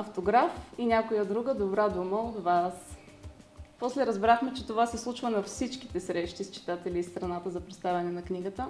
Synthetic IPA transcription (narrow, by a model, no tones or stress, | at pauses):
ɐft̪oɡɾafinʲakojəd̪ɾuɡəd̪obɾad̪uməod̪vas | pɔslɛɾɐzbɾaxmɛt͡ʃɛt̪ovasɛslˠut͡ʃvənɐfsit͡ʃki̥t̪ɛsɾɛʃt̪ist͡ʃi̥t̪at̪ɛliːst̪ɾɐnat̪əzɐpɾɛt̪st̪avʲɛnɛnɐkniɡət̪ə